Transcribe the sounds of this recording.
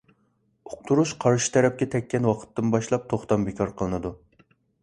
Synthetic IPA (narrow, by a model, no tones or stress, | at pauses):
oq̚t̪ʰuɾuʃqʰɑɾʃɨ̥t̪ʰɛɾɛp̚kʲɛt̪ʰɛkʲːɛnwɑqʰə̥t̪ːɨnbɑʃlˠɑp̚t̪ʰoχt̪ɑmbekʰɑɾqʰəlˠɨnɨd̪u